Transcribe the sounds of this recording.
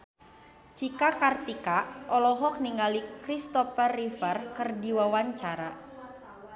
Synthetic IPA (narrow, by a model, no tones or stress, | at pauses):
t͡ʃikakart̪ikaʔɔlɔɦɔk̚niŋalikɾist̪ɔfərifərkɨrdiwawaɲt͡ʃaɾa